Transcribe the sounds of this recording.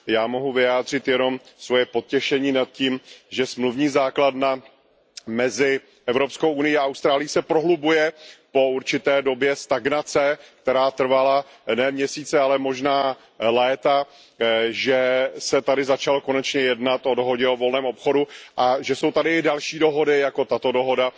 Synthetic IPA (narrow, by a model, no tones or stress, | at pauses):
jaːmo̞ɦuvɪjaːd̪r̝ɪt̪jɛno̞msvo̞jɛpo̞t̪̚cɛʃɛɲiːnat̪̚ciːmʒɛsmluvɲiːzaːkladna | mɛzɪ | ʔɛvɾopskowʔunɪjiaʔawst̪ɾaːlɪjisɛpɾoɦlubujɛpo̞uɾt͡ʃɪt̪ɛːdo̞bjɛst̪aɡnat͡sɛk̚t̪ɛɾaːt̪r̩vala | nɛːmɲɛsiːt͡sɛalɛmo̞ʒnaː | lɛːt̪a | ʒɛsɛt̪adɪzat͡ʃaloko̞nɛt͡ʃɲɛjɛdnat̪o̞do̞ɦo̞ɟɛo̞vo̞lnɛːmo̞pxo̞duʔaʒɛso̞wt̪adɪɪdalʃiːdo̞ɦo̞dɪjako̞t̪at̪o̞do̞ɦo̞da